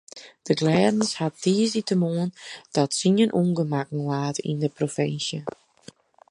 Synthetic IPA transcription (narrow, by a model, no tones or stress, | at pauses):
d̥əɡlɛːdn̩shat̚diəsitəmoənd̥ɔtsinənʔuŋɡəmakn̩laːtḭndəprofɪnsjə